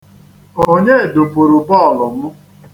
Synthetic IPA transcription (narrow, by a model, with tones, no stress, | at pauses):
o˦ɲe˦e˨do˨po˨ɾu˨bɔ˦˨lʊ˨m̩˦